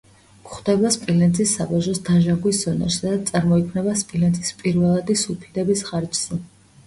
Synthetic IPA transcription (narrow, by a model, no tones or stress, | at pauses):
kχd̪ɛbaspʼilɛnt̪ʰisːabaʒɔsd̪aʒaŋɡwisz̥ɔnɛ̰ɾsad̪at̪sʼaɾmɔikʰmnɛbaspʼilɛnt̪ʰi̥spʼiɾvɛlˠad̪isupʰid̪ɛbisχaɾd͡ʒz̥ɛ